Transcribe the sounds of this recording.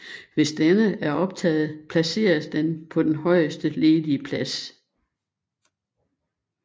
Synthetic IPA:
ʋe̝sd̥enəæɐɒ̽b̥̚t͡sʰɛ̰ːð̞̩ˠpʰlæse̝̰ːɐsd̥enpʰɒ̽d̥enɦɒ̽ɪ̰əsd̥əle̝ːðˠiəpʰlæs

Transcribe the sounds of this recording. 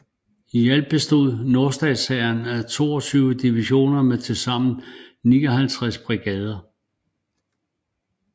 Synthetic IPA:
ijæl̰b̥̚b̥e̝sd̥o̝ð̰ˠno̝ɐsd̥ɛsɛɪɐnæt͡sʰo̝̰ːɒt͡sʰyːʊəd̥iʋiɕo̝̰ːnɐmet͡sʰe̝lsɑ̈m̰n̩niːɒɦælt͡sʰʁɛsb̥ʁiɡ̥ɛːð̞ˠɐ

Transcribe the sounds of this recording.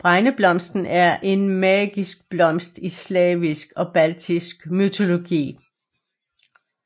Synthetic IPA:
b̥ʁɑ̈ɪnəb̥lɒ̽m̰sd̥n̩ʔæɐʔe̝nmɛːɡ̥isɡ̥̚b̥lɒ̽m̰sd̥islɛːʋisɡ̥ɒ̽b̥ælt͡sʰisɡ̥myt͡sʰo̝lo̝ɡ̥ḭː

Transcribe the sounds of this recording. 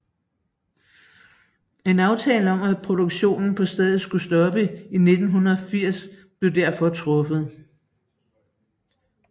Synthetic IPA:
e̝nɑ̈ʊt͡sʰɛːləɒ̽mæpʰʁo̝ɾ̥oɡ̥ɕo̝̰ːnn̩pʰɒ̽sd̥ɛð̩ˠsɡ̥usd̥ɒ̽b̥əine̝d̥n̩ɦunɐɒfiɐ̰sb̥le̝ʊd̥æɐ̰fɒ̽t͡sʰʁɔ̽fəð̞̩ˠ

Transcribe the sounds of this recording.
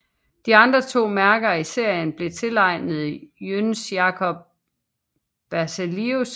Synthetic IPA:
d̥iɑ̈nd̥ʁɐt͡sʰo̝̰ːmæɐɡ̥ɐise̝ɐ̰jənb̥le̝t͡sʰe̝lɑ̈ɪ̰nð̩ˠijønsjɑ̈kʰɒ̽b̥̚ | b̥æɐselius

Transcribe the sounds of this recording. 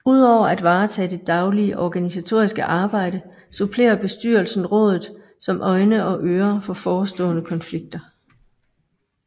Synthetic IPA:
uð̞̰ˠɒʊ̰ɐæd̥ʋɑ̈ːt͡sʰɛ̰ːd̥e̝d̥ɑ̈ʊliəʔɒɡ̥ænisæt͡sʰo̝ɐisɡ̥əʔɑ̈ːb̥ɑ̈ɪ̰ɾ̥ə | supʰle̝̰ːɐb̥e̝sd̥y̰ːɐl̩sn̩ʁɔ̽ːð̞ˠð̩ˠ | sɒ̽mʔɒ̽ɪnəʔɒ̽ʔøːɐfɒ̽fɒːsd̥ɔ̰̽ːnəkʰɒ̽nfliɡ̥̚d̥ɐ

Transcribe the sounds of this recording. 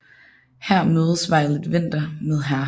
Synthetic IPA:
hæɐ̰møːð̞ˠsʋɑ̈ɪ̰lˠid̥ʋen̰d̥ɐmeðˠɦæɐ

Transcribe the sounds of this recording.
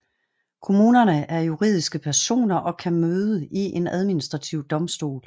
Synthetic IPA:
kʰo̝muːnɐnəʔæɐjuʁið̰ˠisɡ̥əpʰæɐso̝̰ːnɐʔɒ̽kʰæmøːðˠəiʔe̝næð̞ˠminisd̥ʁɑ̈t͡sʰiʊd̥ɒ̽msd̥o̝̰ːl

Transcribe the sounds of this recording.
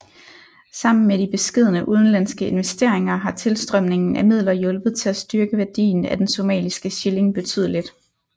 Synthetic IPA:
sɑ̈m̰n̩meɾ̥ib̥e̝sɡ̥e̝ð̞̰ˠnəʔuð̞ˠn̩lænsɡ̥əe̝nʋesd̥e̝ɐ̰eŋɐɦɑ̈t͡sʰe̝lsd̥ʁœm̰ne̝ŋn̩æmið̞̰ˠlɐjɔ̽lb̥ð̞̩ˠt͡sʰe̝læsd̥yɐɡ̥əʋæɐd̥ḭːn̩æd̥enso̝mɛ̰ːlisɡ̥əɕele̝ŋb̥e̝t͡sʰy̰ð̞̰ˠlid̥

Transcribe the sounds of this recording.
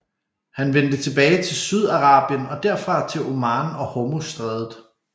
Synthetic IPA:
hænʋend̥ət͡sʰe̝b̥ɛːɪt͡sʰe̝lsyð̞ˠɑ̈ʁɑ̈ːb̥jənɒ̽d̥æɐ̰fʁɑ̈t͡sʰe̝lʔomɑ̈ːnɒ̽homusd̥ʁɛðˠð̩ˠ

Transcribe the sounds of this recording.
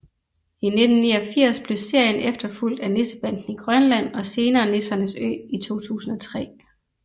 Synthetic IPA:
ine̝d̥n̩ːiːɒ̽fiɐ̰sb̥le̝se̝ɐ̰jənefd̥ɐful̰d̥ænesəb̥æn̰d̥n̩iɡ̥ʁɶnlæn̰ɒ̽se̝ːnɐːne̝sɐnəsø̰ːit͡sʰo̝̰ːt͡sʰṵːsn̩ɒ̽t͡sʰʁɛ̰ː

